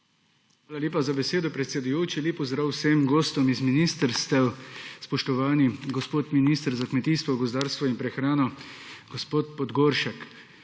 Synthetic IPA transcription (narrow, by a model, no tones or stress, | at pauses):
xʋaːlalʲeːpazabɛseːd̪ɔpɾɛt̪sɛd̪ujoːt͡ʃileːpɔzd̪ɾawsemɡoːst̪ɔmizminiːst̪əɾst̪ɛwspɔʃt̪ɔʋaːniɡɔspoːt̪miniːst̪əɾzakmɛt̪iːst̪ʋɔɡɔzd̪aːɾst̪ʋɔinpɾɛxɾaːnɔɡ̥ɔspoːt̪pɔd̪ɡoːɾʃak